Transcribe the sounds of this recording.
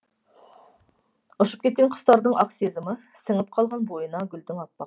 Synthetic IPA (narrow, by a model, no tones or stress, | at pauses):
oʃɨ̥p̚kʲet̪̚kʲenqʰʊ̥st̪ɑɾd̪əŋʔɑqsezɨmə | sɪŋɪp̚qʰɑlˠʁɑnbojənɑɡʲyld̪ɪŋɑt̪̚pːɑq